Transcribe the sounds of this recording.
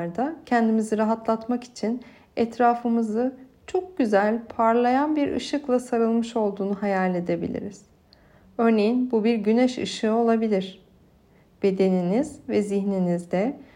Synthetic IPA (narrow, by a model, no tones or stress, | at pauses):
ɾd̪acʰɛnd̪imiziɾaɦat̪lˠat̪maki̥t͡ʃʰin | ɛt̪ɾaːfɯmɯzɯt͡ʃʰo̞k̚ɟyzælʲpʰaɾlˠajanbiɾʔɯ̰ʃɯklˠasaɾɯlˠmɯʃo̞lˠd̪uːnuɦajalʲːe̞d̪e̞bḭlʲḭɾiz̥ | ø̞ɾne̞jinbubiɾɟynɛʃɯ̰ʃɯo̞lˠabilʲiɾ̥ | b̥e̞d̪e̞ninizvɛziçninizd̪ɛ